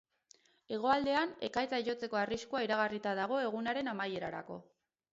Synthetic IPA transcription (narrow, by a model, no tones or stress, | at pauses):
e̞ɣ̞o̞ald̪e̞ane̞kajt͡saʝo̞t͡se̞ko̞ariskuaiɾaɣarit̪aðaɣ̞o̞e̞ɣ̞unaɾe̞namaje̞ɾaɾa̰ko̞̰